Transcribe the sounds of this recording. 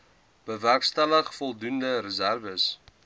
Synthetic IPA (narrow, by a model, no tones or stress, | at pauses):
b̥əværkstæləχfɔlˠdundəɾəzærvəs